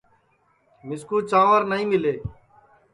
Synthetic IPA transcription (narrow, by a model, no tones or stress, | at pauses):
mɪskuːt͡ʃaːʋəɾnəɦĩːmɪleː